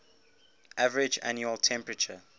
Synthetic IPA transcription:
ʔavəɹɪd͡ʒa̰njuəltʰɛ̃mpɹət͡ʃə

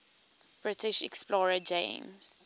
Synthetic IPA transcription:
b̥ɹɪtɪʃɛ̰ksplɔːɹəd͡ʒḛ̃ːms

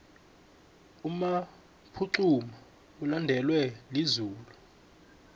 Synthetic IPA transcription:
uma | pʰuǀuma | ulandʱɛlwɛlizuːlu

